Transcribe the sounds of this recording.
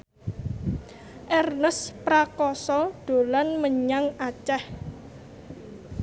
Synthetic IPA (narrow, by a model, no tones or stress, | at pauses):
ʔɛrnəspɾakɔsɔd̪̥o̤lanməɲaŋat͡ʃɛh